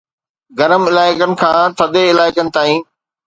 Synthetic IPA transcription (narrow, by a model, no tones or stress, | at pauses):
ɡɐɾəmɪlaːɪkənɪ̆kʰãːt̪ʰɐd̪eɪlaːɪkənɪ̆t̪aːĩː